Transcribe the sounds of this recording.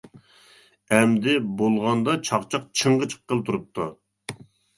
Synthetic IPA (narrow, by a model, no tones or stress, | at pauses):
ɛmd̪ɪbolˠʁɑnd̪ɑt͡ʃʰɑqt͡ʃʰɑq̚t͡ʃʰəɴʁət͡ʃʰə̥qːəlˠt̪ʰuɾup̚t̪ʰːu